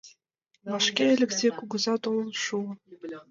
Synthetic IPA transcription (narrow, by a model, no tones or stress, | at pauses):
βɑʃkʲeĕlʲɘ̆kzʲekuɡɤ̆zɑt̪olˠɤ̆lˠʃuɤ̆